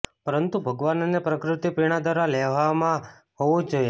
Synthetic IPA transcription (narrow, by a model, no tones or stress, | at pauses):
pəɾənt̪ubʱəɡʋannepɾəkɾɪt̪ipiɽ̃ad̪aɾaleʋamã | ɦoʋũd͡ʒoje